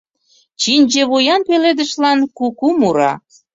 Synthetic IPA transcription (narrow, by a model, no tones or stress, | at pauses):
t͡ɕinʲd͡ʑĕβojɑnpeled̪ə̆ʃlɑnkukumuɾɑ̰